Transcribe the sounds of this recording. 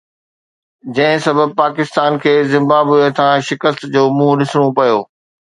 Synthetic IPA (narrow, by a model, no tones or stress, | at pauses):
d͡ʑɐ̃ɦɪ̃sɐbʱəb̚paːkɪst̪aːnkʰeːzɪ̃mbaːbɦuet̪ʰãʃɪkəst̪d͡ʑoːmũɗɪsɽ̃opɐjoː